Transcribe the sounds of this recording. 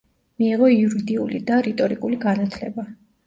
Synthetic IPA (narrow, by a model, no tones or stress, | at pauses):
miːʁɔiuɾid̪iulḭd̪aɾit̪ʼɔɾikʼuliɡanat̪ʰlɛ̰ba